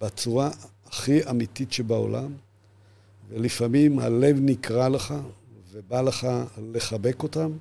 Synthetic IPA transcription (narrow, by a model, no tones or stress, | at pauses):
bat͡suʁaː | χiamititʃebao̰lam | velifamimha̰le̞vnikʁaleχavebaleχale̞χabe̞ko̞tam